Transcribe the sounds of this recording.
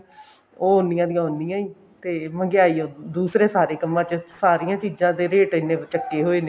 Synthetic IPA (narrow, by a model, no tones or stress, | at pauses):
oːoːnːɪjãːd̪ijãːoːnijãːiː | t̪eːməŋɡɪaːiːoːd̪uːsɾeːsaːɾeːkəmːãːt͡ʃəsaːɾijãːt͡ʃiːzãːd̪eːɾeːʈɪnːẽːt͡ʃəkːeːɦoːeːneː